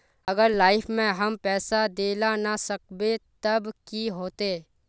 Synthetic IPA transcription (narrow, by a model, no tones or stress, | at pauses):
ɐɡəɾlaːɪfʰmẽɦɐmpɛːsad̪eːlanasək̚bet̪ɐbkiɦoːt̪e